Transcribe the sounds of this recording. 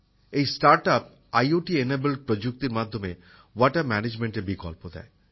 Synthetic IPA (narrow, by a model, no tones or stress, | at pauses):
ejsʈaɾʈap̚ | ajoʈienebelpɾod͡ʑuk̚t̪iɾmad̪ʱːome | waʈamɛned͡ʑmeɳʈebikɔ̰lpod̪ɛ̰e